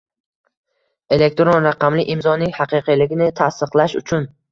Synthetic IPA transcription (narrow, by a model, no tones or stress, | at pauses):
e̞le̞k̚ʲt̪ɾonɾaqɑmlɪʔɪmzɒnɪŋhɑqɨqʰijlɪɡʲɪnɪt̪ʰast̪ɨqlˠaʃʊ̰t͡ʃʰʊn